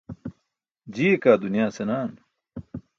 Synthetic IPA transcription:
d͡ʑiːekaːd̪unijaːsenaːn

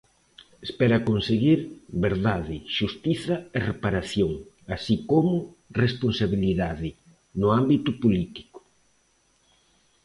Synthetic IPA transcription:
espɛɾɐkonseɣiɾβeɾðaðɪʃust̪iθɐerepaɾaθjoŋ | asikomʊ | responsaβiliðaðɪ | nʊambit̪ʊpolit̪i̥kʊ̥

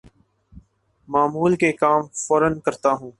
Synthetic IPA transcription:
maːmuːlkekaːmfɔːɾənkəɾt̪aːɦũː

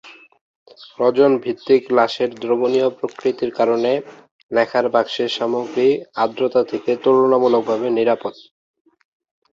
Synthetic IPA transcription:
ɾɔd͡ʑonbʱit̪ːiklaʃeɾd̪ɾoboniopɾokɾit̪iɾkaɾone | lɛkʰaɾbakʃeɾʃamoɡɾiad̪ɾot̪at̪ʰeket̪olonamulok̚bʱabeniɾapot̪

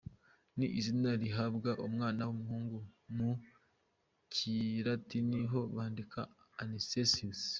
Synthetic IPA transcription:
niʔizinaɾiɦabɡaʔumŋaːnawumuhuːŋɡumu | ciɾatiniɦo̞βaːndikʰa | anisesius

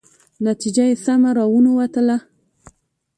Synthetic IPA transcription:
nat̪id͡ʒajesamaɾɑwunowat̪əla

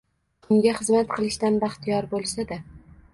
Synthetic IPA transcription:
ʊŋɡʲaχɨzmat̪̚qʰɨlˠɪʃt̪anbaχt̪ʰijɒɾbolˠsad̪a

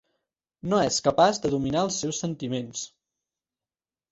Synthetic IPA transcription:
noɛskəpazd̪əðuminaəlˠsːɛwsːənt̪imens

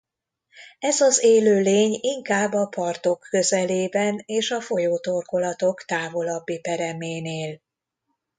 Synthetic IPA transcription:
ɛzɒzeːløːleːɲiŋkaːbːɒpɒrt̪o̞kʰːø̞zɛleːbɛneːʃɒfo̞joːt̪o̞rko̞lɒt̪o̞kt̪aːvo̞lɒbːipɛɾɛmeːneːl

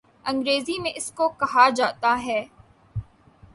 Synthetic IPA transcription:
ɐ̃ŋɡɾeːzimẽʔɪskokɐɦad͡ʒaːt̪aɦɛː

